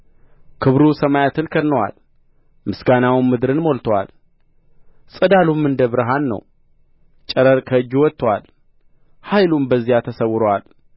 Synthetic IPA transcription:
kʰɨβɾusəmajat̪ʰɨnkʰəd̪nəwa̰l | mɨsɡanawmɨd̪ɾɨnmo̞lt̪ʰwa̰l | sʼɨd̪alumːɨnd̪əβɾɨɦanːə̰w | t͡ʃʼəɾəɾkʰəɨd͡ʒːwɔt̪ːwal | hajlumbəzːijat̪ʰəsəwʊɾəwal

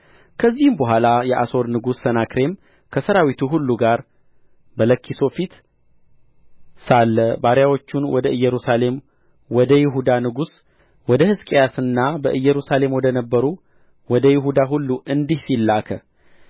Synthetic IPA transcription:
kʰəzːihɨmbəɦʷalajɛʔaso̞ɾnɨɡusːənakɾe̞m | kʰəsəɾawit̪ʰuɦulːuɡaɾ | bələkʰːiso̞fit̪ | salːəbaɾjawo̞t͡ʃːunwɔd̪əɨjːɛɾusale̞m | wɔd̪əjɪɦud̪anɨɡus | wɔd̪əhɨskʼijasɨnːabəʔɨjːɛɾusale̞mwɔd̪ənəbːəɾu | wɔd̪əjɪɦud̪aɦulːuʔɨnd̪ihsilːakʰə

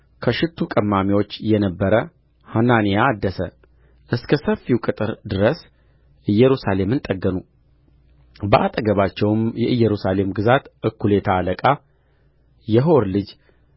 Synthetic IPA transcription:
kʰəʃɪt̪ʰːukʼəmːamiwo̞t͡ʃːjɛnəbːəɾə | hananijaːd̪ːəsə | ʔɨskʰəsəfiwkʼɨt̪ʼɨɾd̪ɨɾəs | ʔɨjːɛɾusale̞mɨnt̪ʼəɡːənu | bəʔat̪ʼəɡəβat͡ʃːɛwmjɛʔɨjːɛɾusale̞mɡɨzat̪ʔɨkːule̞t̪ʰaləkʼa | jɛɦoɾlɨd͡ʒ

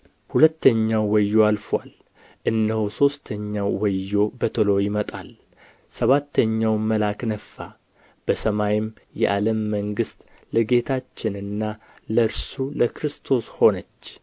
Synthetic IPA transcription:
hulət̪ʰːəɲːawːəjːo̞alfwal | ʔɨnːəhuso̞st̪ʰəɲːawːəjːo̞bət̪ʰəlo̞jɪmət̪ʼal | səβat̪ʰːəɲːawməlaknəfːa | b̥əsəmajɪm | jɛ̰ʔaləmːəŋɡɨst̪ | ləɡe̞t̪ʰat͡ʃːɪnɨnːa | ləɨɾsuləkɾɨst̪ʰo̞sho̞nət͡ʃː

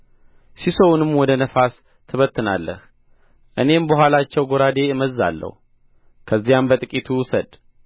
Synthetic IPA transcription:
sisowunɨmːwɔd̪ənəfas | t̪ʰɨβət̪ʰːɨna̰lːə̰h | ʔɨne̞mbəhʷwalat͡ʃːɛwɡoɾad̪e̞ɨməzːa̰lːə̰hu | kʰəzːijambət̪ʼɨkʼit̪ʰusəd̪

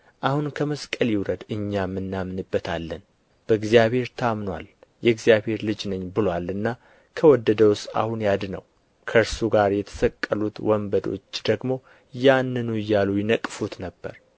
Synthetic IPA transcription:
ʔahunkʰəməskʼəljɪwɾəd̪ɨɲːamːɨnːamnɨbːət̪ʰalːən | b̥əɡzijaβhe̞ɾt̪ʰamnwa̰ljɛɡzijaβhe̞ɾlɨd͡ʒnɨɲːbɨlowalɨnːa | kʰəwɔd̪ːəd̪əwʊst̪a̰hunjad̪nə̰w | kʰəɾsuɡaɾjɛt̪ʰə̥səkʼːəlut̪wɔmbəd̪o̞̰t͡ʃːd̪̥əɡmo̞ | janːɨnujːalujɪnəkʼːfut̪nəbːə̰ɾ

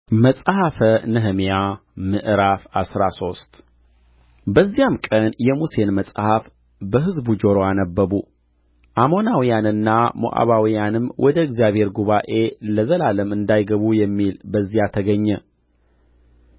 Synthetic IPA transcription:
məsʼhafənɨɦɨmjamɨʔɨɾafasɾaso̞st̪ʼ | bəzːijamkʼənjɛmuse̞nməsʼhaf | bəɦɨzbud͡ʒoɾoanəbːəβu | ʔamo̞nawijanɨnːamo̰ʔa̰βawijanɨmwʔɔd̪əɨɡzijaβhe̞ɾɡuβaʔe̞ləzəlaləmɨnd̪ajɡəβujɛmːilbəzːijat̪ʰəɡəɲːɛ

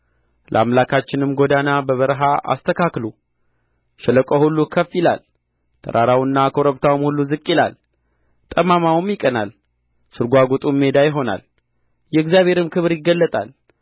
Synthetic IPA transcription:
lʔəʔa̰mlakʰat͡ʃːɪnɨmɡo̞d̪anabəβəɾɦaʔa̰st̪ʰəkʰaklu | ʃɛləkʼohulːukʰəfɪla̰l | t̪ʰə̰ɾʔaɾawɨnːakʰoɾəβt̪ʰawumhulːuzɨkʼːila̰l | t̪ʼəmamawɨmjɪkʼəna̰l | sɨɾɡʷaɡot̪ʼumːe̞d̪ajɪɦo̞na̰l | jɛɨkzjaβhe̞ɾɨmkʰɨβɨɾjɪɡːəlːət̪ʼa̰l

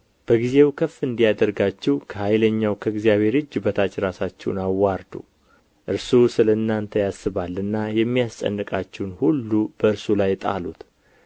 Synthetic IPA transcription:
b̥əɡize̞wkʰəfːɨnd̪ijad̪əɾɡat͡ʃːɛwkʰəhajləɲːawkʰəɪɡzijaβhe̞ɾɨd͡ʒːbət̪ʰat͡ʃɾasat͡ʃːɛwnawːaɾd̪ṵ | ʔɨɾsusɨlənːant̪ʰəjasɨβalːɨnːajɛmːijast͡ʃʼə̰nːɨkʼat͡ʃːɛwnhulːubəɨɾsulajt̪ʼa̰lṵt̪

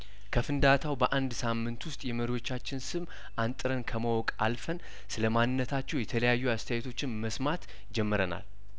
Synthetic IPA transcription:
kʰəfɨnd̪at̪ʰawbəʔand̪samːɨnt̪wʊst̪ʼjɛməɾiwo̞t͡ʃːat͡ʃːɪnsɨm | ʔant̪ʼɨɾənkʰəməwɔkʼa̰lfən | sɨləmanːɨnːət̪ʰat͡ʃːɛwjɛt̪ʰələjajːuast̪ʰɛjɛt̪ʰo̞t͡ʃːɪnməsmat̪ | d͡ʒɛmːəɾəna̰l

